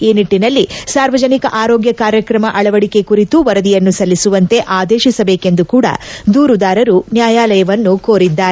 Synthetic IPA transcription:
iːniʈːinɐlːisaːɾʋɐd͡ʒɐnikɐʔaːɾoːɡjɐkaːɾjɐkɾɐmɐʔɐɭɐʋɐɽike̞kuɾit̪uʋɐɾɐd̪ijɐnːusɐlːisuʋɐnt̪e̞ʔaːd̪eːʃisɐbeːke̞nd̪ukuːɽɐ̰d̪uːɾud̪aːɾɐɾunjaːjaːlɐjɐʋɐnːuko̞ːɾid̪ːaːɾe

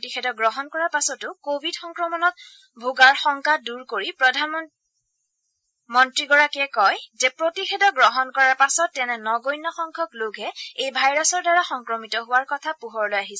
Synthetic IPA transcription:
tixɛdɔɡɹɔɦɔnkɔɹaɹpasɔtʊkobʱidxɔŋkɹɔmɔnɔt̚ | bʱuɡaɹxɔŋkaduɹkoɹipɹɔdʱan | mɔntɹiɡɔɹakɛkɔjzɛpɹotixɛdɔɡɹɔɦɔnkɔɹaɹpasɔtːɛnɛnɔɡojnːɔxɔŋkʰɔkloɡʱɛejbʱajɹɔsɔɹdaɹaxɔŋkɹɔmitɔɦʊwaɹkɔtʰapuɦɔɹlojaɦisɛ

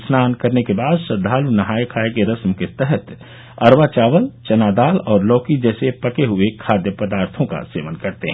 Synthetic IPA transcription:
snaːnkɐɾnekebaːd̪ʃɐd̪ʱaːlunɐɦaːjkʰaːekeɾɐsmket̪ɛɦɛt̪ | ɐɾʋaːt͡ʃaːʋəlt͡ʃɐnaːd̪aːlɔːɾlɔːkid͡ʒɛːsepɐkeɦʊekʰaːd̪jəpɐd̪aːɾt̪ʰõka̰sḛːʋənkɐɾt̪eɦɛ̃ː

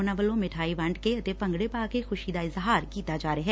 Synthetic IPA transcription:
naʋəlõmɪʈʰaːiʋɐ̃ɳɖkeɐt̪epɐ̃ŋɡɽepaːkexʊʃiːd̪aɪzɦaːɾkiːt̪ad͡ʒaːɾeɦɛː

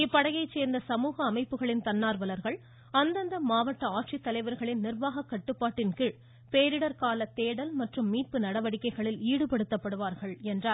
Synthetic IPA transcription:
ɪpːɐɽɐɣɐɪt͡ʃːeːɾnd̪ɐsɐmuːɣɐːmɐɪpːɯɣɐɭɪnt̪ɐnːaːɾʋɐlɐɾɣɐɭ | ɐnd̪ɐnd̪ɐmaːʋɐʈːɐaːʈʂit̪ːɐlɐɪʋɐɾɣɐɭɪnnɪrʋaːɣɐkːɐʈːɯpːaːʈːɪnkɯ | peːɾɪɽɐɾkaːlɐt̪ːeːɽɐlmɐʈrɯmːiːʈ̚pɯnɐɽɐʋɐɽɪkːɐɪɣɐɭɪliːɽɯpɐɽɯt̪ːɐpːɐɽɯʋaːɾɣɐɭɛndraːɾ

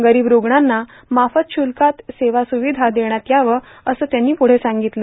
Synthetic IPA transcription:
ɡəɾiːbɾoɡɳanːa | mafət̪ɕʰulkat̪seʋasuʋid̪ʱad̪eɳ̃jat̪jaʋə | əsəːt̪janːiːpuɽ̤esaŋɡit̪lə

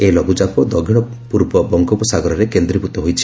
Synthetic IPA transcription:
elɔɡud͡ʒapɔd̪ɔɡʱiɽ̃ɔ | puɾbɔbɔŋkɔpɔsaɡɔɾɔɾekend̪ɾiput̪ɔɦojt͡ʃʰi̥

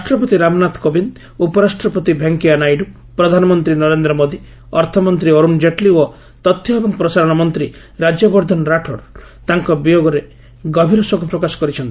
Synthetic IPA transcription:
ɾasʈɾɔpɔt̪iɾamnat̪kobind̪ | upɔɾasʈɾɔpɔt̪ibʱeŋkianajɖu | pɾɔd̪ʱanɔmɔnt̪ɾinɔɾend̪ɾɔmod̪i | ɔɾt̪ʰɔmɔnt̪ɾiɔɾund͡ʒeʈlio | t̪ɔt̪ʰːjɔebɔŋpɾɔsaɾɔɽ̃ɔmɔnt̪ɾi | ɾad͡ʒjɔbɔɾd̪ʱɔnɾaʈʰɔɾ | t̪aŋkɔbijoɡɔɾe | ɡɔbʱiɾɔsɔɡʰʱɔpɾɔkasɔ̥kɔɾit͡ʃʰɔnt̪i

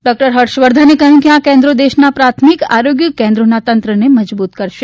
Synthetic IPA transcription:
ɖɔk̚ʈəɾɦəʈʃʋəɾd̪ʱanekəɦəjũkjãkẽnd̪ɾod̪eʃnapɾat̪ʰmika̰ɾoɡjəkẽnd̪ɾonat̪ənt̪ɾəneməd͡ʒbut̪kəɾʃe

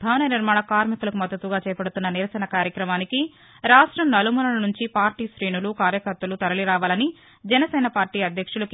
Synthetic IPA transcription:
bʱaːʋɐnɐjɐniɾmaːɳɐkaːɾmikulɐkumɐd̪ːɐt̪ʋuɡaːt͡ʃɛːjɐpɐɽut̪unːɐniɾɐsɐnɐkaːɾjɐkɾɐmaːniki | ɾaːʂʈɾɐmnɐlumunɐlɐnuɲt͡ʃipaːɾʈiːsɾiːnulukaːɾjɐkɐɾt̪ːɐlut̪ɐɾɐliɾaːʋaːlɐni | d͡ʒɛnɐsɛːnɐpaːɾʈiːɐd̪ʱjɐkʂulɐk

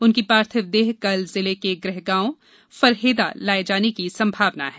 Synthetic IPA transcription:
ʊnkipaːɾt̪ʰəʋd̪eːɦkɐlzɪlekeɡɾɛɦɡãːõ | fɐɾɦeːd̪a̰laːed͡ʒaːnekisɐ̃mbʱaːʋna̰ɦɛː

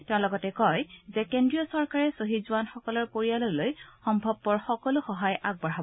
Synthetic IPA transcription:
tɛʊ̃lɔɡɔtɛkɔjzɛkendɹiɔsɔɹkaɹɛsoɦizʊanxɔkɔlɔɹkoɹialolojxɔmbʱɔb̚pɔɹxɔkɔlʊxɔɦajʔaɡ̚bɔɹabɔ

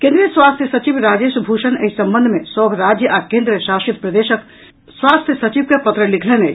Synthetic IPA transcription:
kẽnd̪ɾiːəswaːst̪ʰjəsɐt͡ʃiʋɾaːd͡ʒeːʃbʱuːʃəneisɐ̃mbə̃nd̪ʱmẽsɔbʱɾaːd͡ʒjəʔakẽːnd̪ɾiəʃaːʃit̪̚pɾɐd̪eːʃək | swaːst̪ʰjəsɐt͡ʃiʋkepɐt̪ɾəlikʰlene

